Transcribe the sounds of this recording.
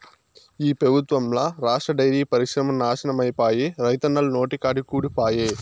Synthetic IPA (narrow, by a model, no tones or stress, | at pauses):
iːpɾɐbʱut̪ʋɐmlaːɾaːʂʈɾɐɖɐjɾiːpɐɾiʃɾɐmɐnaːʃɐnɐmɐjpaːjeːɾɐjt̪ɐnːɐlno̞ːʈikaːɖikuːɽipaːjeː